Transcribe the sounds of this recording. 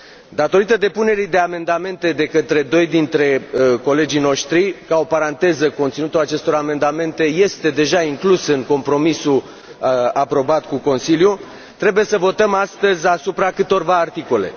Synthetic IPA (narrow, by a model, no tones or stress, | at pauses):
d̪at̪o̞ɾit̪əd̪e̞pune̞ɾid̪e̞ame̞nd̪ame̞nt̪e̞d̪e̞kət̪ɾe̞d̪o̞jd̪int̪ɾe̞ko̞le̞d͡ʒijno̞ʃt̪ɾikao̞paɾant̪e̞zəko̞nt̪sinut̪ulat͡ʃe̞st̪o̞ɾame̞nd̪ame̞nt̪e̞je̞st̪e̞d̪e̞ʒaiŋklusɨŋko̞mpɾo̞misu | apɾo̞bat̪kuko̞nsilju | t̪ɾe̞buje̞səvo̞t̪əmast̪əzʲasupɾakɨt̪o̞rvaːrt̪iko̞le̞̰